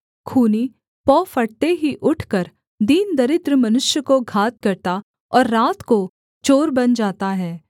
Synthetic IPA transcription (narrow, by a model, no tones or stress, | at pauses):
kʰuːni | pɔːfɐɽt̪eɦiʔʊʈʰkɐɾ | d̪iːnd̪ɐɾɪt̪ɾəmɐnʊʃjəkoɡʱaːt̪̚kɐɾt̪a | ɔːɾːaːt̪ko | t͡ʃoːɾbɐnd͡ʒaːt̪aɦɛː